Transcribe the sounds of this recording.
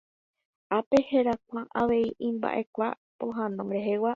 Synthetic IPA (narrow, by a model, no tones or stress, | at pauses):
apeheɾak̚ʷãʔaʋe̞iʔĩmba̰ʔe̞kʷa | poɦãnõɾeɦewa